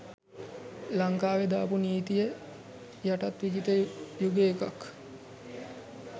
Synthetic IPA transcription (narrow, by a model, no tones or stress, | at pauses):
laŋkaːʋed̪aːpuniːt̪ijə | jaʈat̪ʋid͡ʒit̪əjuɡeːkak